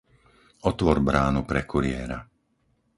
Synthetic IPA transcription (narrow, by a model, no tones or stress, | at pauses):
ɔt̪ʋɔɾbɾaːnupɾɛkuɾɪɛːɾa